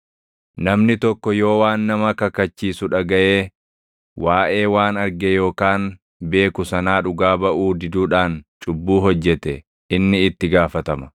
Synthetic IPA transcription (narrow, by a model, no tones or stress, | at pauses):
nɐmnɪt̪ɔkːɔjo̞ːwaːnːɐmɐkɐkːɐt͡ʃːiːsʊᶑɐɡɐʔeː | waːʔe̞ːwaːnɐɾɡɛjo̞ːkaːn | be̞ːkʊsɐnaːᶑʊɡaːbɐʔuːd̪ɪd̪uːᶑaːnt͡ʃʼʊbːuːɦɔd͡ʒːɛt̪ɛ | ʔɪnːɪɪt̪ːɪɡaːfɐt̪ɐmɐ̥